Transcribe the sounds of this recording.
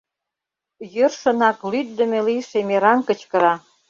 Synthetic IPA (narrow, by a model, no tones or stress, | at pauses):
jørʃə̆nɑklyt̪̚d̪ə̆meliʃemeɾɑnkə̆t͡ɕkə̆ɾɑ